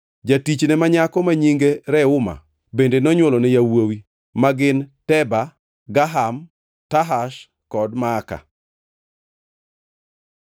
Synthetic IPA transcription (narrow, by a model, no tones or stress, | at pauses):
d͡ʒatit͡ʃnɛmaɲakɔmaɲiŋɡeɾɛʊma̰ | bendenɔɲwɔlɔnɛjawowi | maɡɪntɛba | ɡaɦam | taɦaʃ | kɔdmaːka̰